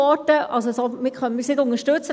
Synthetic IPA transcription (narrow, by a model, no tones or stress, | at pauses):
ɔtəʔɑ̰lsosomɪkχœnmɪsnɪd̪ʊnəʃtɵt͡sə